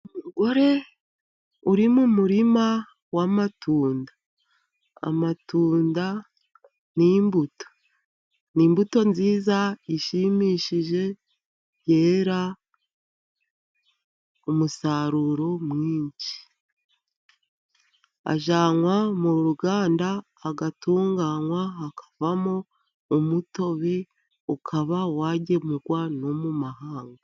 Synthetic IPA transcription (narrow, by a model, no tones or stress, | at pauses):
umuɡo̞ɾe̞ | uɾimumuɾima | wamatuːnda | a̰matuːnda | nimbuto̥ | niːmbuto̞nziːzaiʃimiːʃiʒe̞ | je̞ːɾa | omusaːɾuɾo̞mŋiːɲɟi̥ | a̰ʒaːŋwamuɾuɡaːndaː | ɡatuːŋɡaŋwaɦakḁvamoː | muto̞βe̞ | ukʰaβawaːɟe̞muɡwano̞mumaɦaːŋɡa